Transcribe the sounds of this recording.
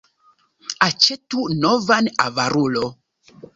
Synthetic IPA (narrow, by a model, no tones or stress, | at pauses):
at͡ʃetunovana̰vaɾulo